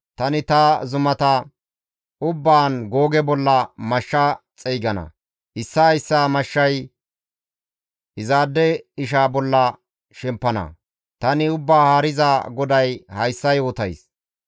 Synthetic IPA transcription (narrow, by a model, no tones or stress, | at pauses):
t̪ɐnɪt̪ɐzʊmɐt̪ɐ | ʊbːaːnɡoːɡɛbɔlːɐmɐʃːɐ | t͡sʼɛjɡɐnɐ̰ | ʔɪsːɐhɐjsːaːmɐʃːɐj | ʔɪzaːd̪ːɛɪʃ̬aːbɔlːɐ | ʃɛmpːɐnɐ̰ | t̪ɐnɪʊbːaːhaːɾɪzaːɡɔd̪ɐjhɐjsːɐjoːt̪ɐjs